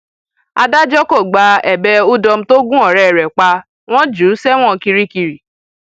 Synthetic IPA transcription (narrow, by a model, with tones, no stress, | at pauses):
a̰˧da˦d͡ʒɔ˦ko˦˨ɡ͡ba˧ɛ˨bɛ˧u˦dɔ˧m̩˦to˦ɡũ˦ɔ˨ɾɛ˨ɾɛ˨k͡pa˧ | w̃ɔ̃˦d͡ʒu˨˦sɛ˦w̃ɔ̃˦˨ki˧ɾi˦ki˧ɾi˨